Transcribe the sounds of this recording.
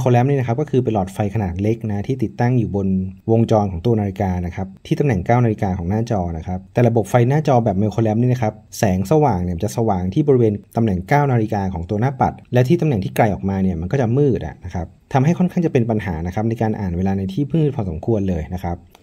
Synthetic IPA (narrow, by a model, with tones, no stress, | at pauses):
xʰo˧lɛ˦˥m̚ni˥˩na˦˥kʰp̚kɔː˥˩kʰɯː˧pa˧jlɔː˨˩t̪̚fa˧jkʰa˧naː˨˩t̪̚le˦˥k̚na˦˥t̪ʰiː˥˩t̪i˨˩t̪ːa˥˩ŋjuː˨˩bo˧nwo˧ŋt͡ɕɔː˧nkʰɔː˩˦ŋt̪u˧ɐnaː˧ɾi˧kaː˧na˦˥kʰa˦˥p̚t̪ʰiː˥˩t̪a˧mnɛ˨˩ŋkaː˥˩wnaː˧li˧kaː˧kʰɔː˩˦ŋnaː˥˩t͡ɕɔː˧na˦˥kʰa˦˥p̚t̪ɛː˨˩ɾa˧bo˨˩p̚fa˧jnaː˥˩t͡ɕɔː˧bɛː˨˩p̚me˧wxʰo˧lɛ˦˥mni˦˥˩na˦˥kʰa˦˥p̚sɛː˩˦ŋsa˧waː˨˩ŋni˥˩t͡ɕa˨˩sa˧waː˨˩ŋt̪ʰiː˥˩bɔː˧ɾi˧weː˧nt̪a˧mnɛ˨˩ŋkaː˥˩wnaː˧li˧kaː˧kʰɔː˩˦ŋt̪u˧ənaː˥˩pa̰˨˩t̪̚lɛː˦˥wt̪ʰiː˥˩t̪a˧nɛ˨˩ŋt̪ʰiː˥˩kla˧jʔɔ̰ː˨˩k̚maː˧ni˥˩ɐma˧nkɔ˥˩t͡ɕa˨˩mɯː˥˩t̪̚ʔa̰˨˩na˦˥kʰa˦˥p̚t̪ʰa˧mɦa˥˩jkʰɔ˥nkʰa˥˩t͡ɕa˨˩pe˧np̬a˧nɦa̰ː˩˦na˦kʰa˦˥p̚na˧jkaː˧nʔa̰ː˨˩nweː˧laː˧na˧jt̪ʰiː˥˩mɯː˥˩t̪̚ʰɔː˧˩so˩˦mkʰu˧ənlɤː˧jna˦˥kʰa˦˥p̚